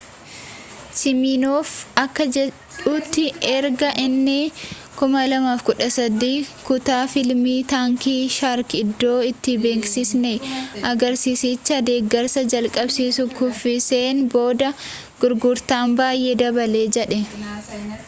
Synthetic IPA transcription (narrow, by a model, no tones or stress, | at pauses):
sɪmiːnoːfɐkːɐɛ | t͡ʃuːt̪ːɪʔɛɾɡɐʔɪnːɪ | kʊmɐlɐmaːfkʊᶑɐsɐd̪iːkʊt̪aːfɪlmiːt̪aːŋkiːʃaɾkɪd̪ːo̞ːɪt̪ːɪbe̞ːksɪsnɛʔɐɡɐɾsiːsit͡ʃːɐd̪e̞ːɡːɐɾsɐd͡ʒɐlkʼɐbsiːsʊkʊfːɪseːnbo̞ːd̪ɐ | ɡ̥ʊɾɡʊɾt̪aːnbaːjʔeːd̪ɐbɐle̞ːd͡ʒɛᶑɛ